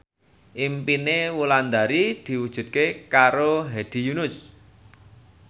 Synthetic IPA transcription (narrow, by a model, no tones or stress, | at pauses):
ʔimpinewuland̪aɾid̪̥i̤wud̥ʒ̥ṳt̪̚kekaɾoɦed̪̥i̤junʊs